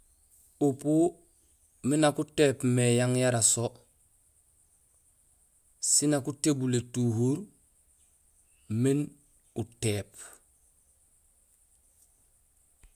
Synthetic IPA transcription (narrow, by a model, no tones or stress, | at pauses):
upu | minakuteːpmejaŋjaɾaso | sinakutebuletuhuɾ | min | uteːp